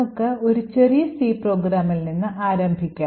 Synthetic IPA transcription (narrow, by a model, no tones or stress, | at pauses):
okːɨo̞ɾut͡ɕe̞rijɐsiːpro̞ːɡɾaːmilninːɨʔaːɾɐmbʱikʲːaː